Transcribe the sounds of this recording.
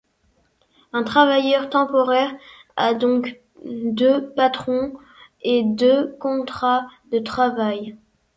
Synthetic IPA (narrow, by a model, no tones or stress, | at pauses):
ɛ̃t̪χavajœʁt̪ɑ̃pɔʁɛʁ | ad̪ɔ̃k | d̪øpat̪χɔ̃ | ed̪økɔ̃t̪χad̪ət̪χavaj